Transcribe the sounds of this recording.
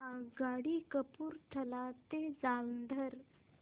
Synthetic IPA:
aɡaɽikəpuːɾt̪ʰəlat̪ed͡zalnd̪ʱəɾ

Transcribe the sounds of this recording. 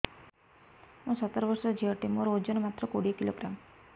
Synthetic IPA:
mũsət̪əɾbəɾsɔd͡ʒiəʈemoɾood͡ʒɔnomat̪ɾɔkoɽikiloɡɾam

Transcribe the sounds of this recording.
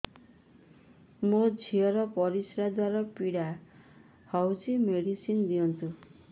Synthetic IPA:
mod͡ʒʱiɔɾɔpɔɾisɾad̪waɾɔpiɽa | hɔwsʰimeɽisind̪iɔnt̪u

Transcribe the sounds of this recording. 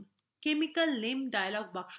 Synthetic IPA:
kemikəlnemɖajlɔɡ̚bakʃ

